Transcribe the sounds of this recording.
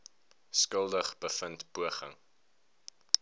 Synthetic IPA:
skəlˠdəχb̥əfəntpuəχəŋ

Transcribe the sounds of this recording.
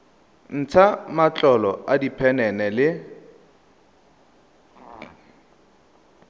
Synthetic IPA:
n̩t͡sʰamat͡ɬʼɔlɔadipʰɛnɛnɛlɪ

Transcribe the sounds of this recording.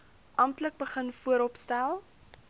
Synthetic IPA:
ʔɐmtlək̚bəχənfuəɾɔpstælˠ

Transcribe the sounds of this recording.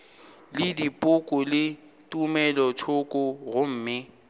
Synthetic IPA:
lɪdipʼʊkʼʊlɪ | tʼumɛlɔtʰʊkʼʊɣʊm̩ːmɪ

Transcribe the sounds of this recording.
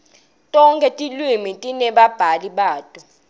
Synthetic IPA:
tʼɔŋkʼɛtʼilwimitʼinɛɓab̥ʱaliɓaːtʼɔ

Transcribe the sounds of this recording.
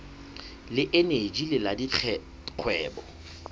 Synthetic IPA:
lɪʔened͡ʒilɪladit͡ɬʰɛ | q͡χʰwɛːbɔ

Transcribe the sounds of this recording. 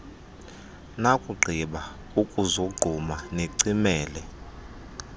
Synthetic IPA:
nakʼuɡ͡ǃʱiɓa | ukʼuzoɡ͡ǃʱumaneǀimɛːlɛ

